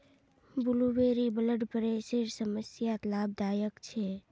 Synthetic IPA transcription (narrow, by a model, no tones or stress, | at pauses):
bʊluweːɾibələɖpəɾeseɾsəməsjat̪laːb̚d̪aːjəkt͡ʃʰe